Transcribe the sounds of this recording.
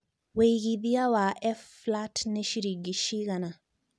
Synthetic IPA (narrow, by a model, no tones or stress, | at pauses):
weiɣiðiawaʔɛfːlatneʃiɾiɡiʃiɣana